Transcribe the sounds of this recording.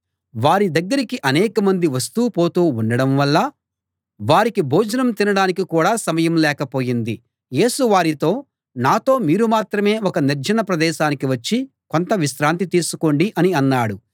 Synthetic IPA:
ʋaːɾid̪ɐɡːɐɾikiʔɐnɛːkɐmɐnd̪iʋɐs̬t̪uːpo̞ːt̪uːunɖɐɽɐmʋɐlːɐ | ʋaːɾikibʱoːd͡ʒɐnɐmt̪inɐɽaːnikikuːɽaːsɐmɐjɐmlɛːkɐpo̞ːjind̪i | je̞ːsuʋaːɾit̪o̞ː | naːt̪o̞ːmiːɾumaːt̪ɾɐme̞ːɔkɐniɾd͡ʒɐnɐpɾɐd̪ɛːʃaːnikiʋɐt͡ʃːi | ko̞nt̪ɐʋiʃɾaːnt̪it̪iːsuko̞ɳɖiʔɐniɐnːaːɽu

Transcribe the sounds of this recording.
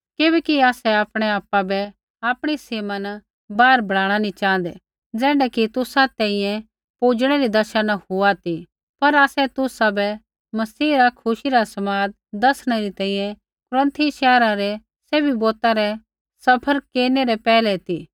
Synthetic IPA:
kɪbɛːkiaːsɛaːpɽ̃ɛaːpːabɛ | aːpɽ̃iseːman | baːɾbʱɐɭaːɽ̃anĩt͡ʃãːnd̪ɛ̰ | d͡zɛ̃ːɳɖɛkit̪ʊsat̪ɛ̃ĩjɛ̃ | puːd͡ʒɽ̃ɛɾid̪ɐʃanahʊat̪i | pɐɾaːsɛt̪ʊsabɛ | mɐsiːɾakʰʊʃiɾasɐmaːd̪ | d̪ɐsɽ̃ɛɾit̪ɛ̃ːĩjɛ̃ | kʊɾə̃nt̪ʰiʃɛːɾãɾɛ | seːbiboːt̪aɾɛ | sɐpʰəɾkeːɾneɾɛpɛːlɛt̪i

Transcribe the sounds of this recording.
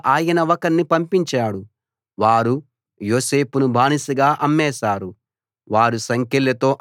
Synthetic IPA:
ʔaːjɐnɐʋɐkɐnːipɐmpiɲt͡ʃaːɽu | ʋaːɾu | joːse̞ːpunubʱaːnisɐɡaːʔɐmːɛːʃaːɾu | ʋaːɾusɐŋkelːɐt̪o̞ːʔ

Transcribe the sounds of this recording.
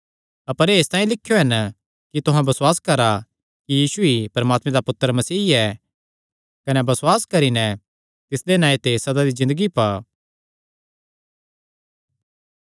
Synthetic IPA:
ɐpəɾeːst̪ãːĩlɪkʰːjoɦɐn | kit̪ʊɦãbɐswaːskɐɾa | kijiːsuipɐɾɐmaːt̪mẽd̪apʊt̪ːəɾmɐsiːɛ | kɐnɛbɐswaːskɐɾinɛ | t̪ɪsd̪enãːet̪esɐd̪ad̪izɪ̃nd̪əɡipaː

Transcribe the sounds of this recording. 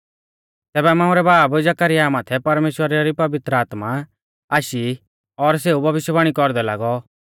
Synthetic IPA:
t̪ɛːbɛmãːũɾɛbaːbd͡ʒɐkəɾɪjamaːt̪ʰɛpɐɾmeːʃwəɾaɾipɐʋɪt̪ɾəaːt̪ma | aːʃi | ɔɾs̬eːubʱɐʋɪʃjəbaːɽ̃ikɔɾd̪ɛla̰ːɡɔ

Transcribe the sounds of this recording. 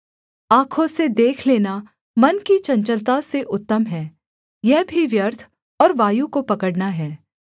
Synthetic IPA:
aːkʰõsed̪eːkʰleːna | mɐnkit͡ʃɐ̃ɲt͡ʃəlt̪aseʔʊt̪ːəmɦɛː | jɛɦbʱiʋjəɾt̪ʰ | ɔːɾʋaːjukopɐkəɽnaɦɛː

